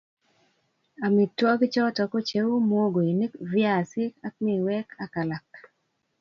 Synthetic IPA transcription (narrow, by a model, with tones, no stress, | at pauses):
a˨mɪ˨tːwɔ˦ɡt͡ʃɔ˦tɔ˨kɔ˦t͡ʃe˦wmo˦ɡo˨i˨ne˦kvɪ˦a˨sɪ˦ka˦k̚mi˨wɛ˦ka˦ka˨la˨k̚